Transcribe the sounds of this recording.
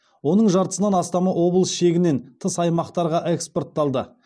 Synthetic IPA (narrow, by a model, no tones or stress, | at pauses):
wo̞nəɴʒɑɾt̪ə̥sənɑnɑst̪ɑmɑwo̞blˠəsʃe̞ɡʲɪne̞nt̪ʰəsɑjmɑqt̪ɑɾʁɑʔe̞kspo̞rt̪ːɑlˠd̪ə